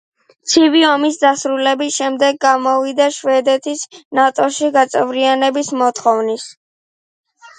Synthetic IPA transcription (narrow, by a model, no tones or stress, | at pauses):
t̪sʰiviɔmisd̪asɾulɛbisʃɛmd̪ɛɡːamɔvid̪aʃwɛd̪ɛt̪ʰisnat̪ʼɔʃiɡat̪sʼɛvɾianɛbismɔt̪ʰχɔvnis